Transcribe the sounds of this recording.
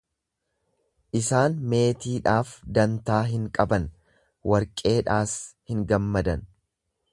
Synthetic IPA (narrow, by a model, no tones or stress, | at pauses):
ʔɪsaːnme̞ːt̪iːᶑaːfd̪ɐnt̪aːɦɪŋkʼɐbɐn | wʔɐɾkʼe̞ːᶑaːshɪŋɡɐmːɐd̪ɐn